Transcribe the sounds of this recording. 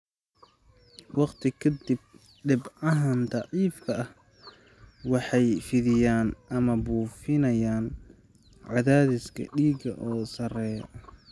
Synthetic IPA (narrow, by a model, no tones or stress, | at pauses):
wɑqt̪ʰɪkʰɐd̪ɪb̚ | ɖɪbɐɦɐnt̪ɑʕiːfkʰɐɐh | wɑħɑjfɪðɪjaːnʔɐmɐbuːfɪnɐjaːn | ʕɑðaːðɪskʰɐ̰ɖiːɡɐ̰ʔɔːsɐrɛːjɐ